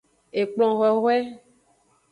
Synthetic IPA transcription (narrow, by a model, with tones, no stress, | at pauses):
e˨k͡plɔ̃˨ɣɛ˨ɣwɛ˦